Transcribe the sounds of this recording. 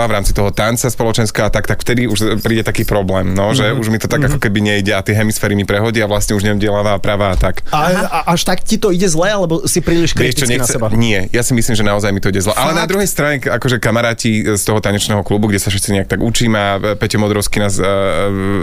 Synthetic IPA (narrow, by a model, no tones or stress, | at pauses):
aʋɾaːmt͡sit̪ɔɦɔt̪ant͡saspɔlɔt͡ʃɛnskɛɦɔat̪akt̪akft̪ɛd̪iuʃpɾiːɟɛt̪akiːpɾɔblɛːmnɔʒɛuʒmit̪ɔt̪aɡakɔkɛbiɲɛiɟɛat̪ɪɛɦɛmisfɛːɾimipɾɛɦɔɟiaʋlasɲɛuʒɲɛɟɪɛlaːʋaːpɾaʋaːt̪akaʔaʃt̪akcit̪ɔiɟɛzlɛalɛbɔsipɾiːliʃkɾɛt͡ʃɔɲɛt͡sɛbaɲɪɛjasimisliːmʒɛnaɔzajmit̪ɔiɟɛzlɛʔalɛnad̪ɾuɦɛjst̪ɾaɲɛakɔʒɛkamaɾaːcist̪ɔɦɔt̪aɲɛt͡ʃnɛːɦɔklubuɡɟɛsafʃɛt̪t͡siɲɛak̚t̪aɡut͡ʃiːmapɛcɛmɔd̪ɾɔʊskinaːs